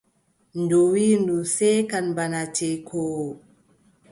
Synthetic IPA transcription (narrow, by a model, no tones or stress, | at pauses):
ndowindusɛkanbanat͡ʃejkʰɔːw